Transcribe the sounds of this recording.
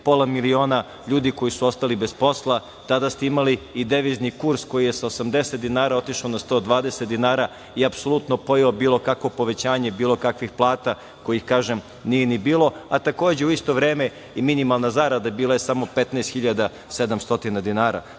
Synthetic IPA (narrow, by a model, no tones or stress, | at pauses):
po̞lˠamilio̞ːna | ʎuːd̪iko̞jisuo̞st̪alibespo̞slˠa | t̪ad̪ast̪eimaliːd̪eʋiznikuɾsko̞jije̞saosamd̪e̞set̪̚d̪inaːɾao̞t̪iʃaonast̪o̞d̪ʋaːd̪eset̪d̪inaːɾa | iapso̞lˠut̪no̞po̞jaobiːlˠo̞kakʋo̞po̞ʋe̞t͡ɕaːɲebiːlo̞kakʋixplˠaːt̪a | ko̞jixkaːʒem | nijenibiːlˠo̞at̪ako̞ːd͡ʑe̞uist̪o̞ʋɾeːme | iminimalˠnazaɾad̪abiːlˠajesamo̞pet̪naest̪xiʎad̪a | sed̪amst̪o̞t̪inad̪inaːɾa̰